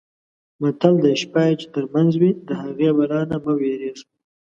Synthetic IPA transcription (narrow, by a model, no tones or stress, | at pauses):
mat̪ald̪əɪʃpɑjet͡ʃe̥t̪əɾmanzwid̪əhaɣewaɾɑnaməweɾez